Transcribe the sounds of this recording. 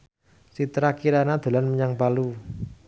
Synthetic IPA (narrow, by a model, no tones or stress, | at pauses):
sit̪ɾakiɾanad̪̥a̤lanməɲaŋpalu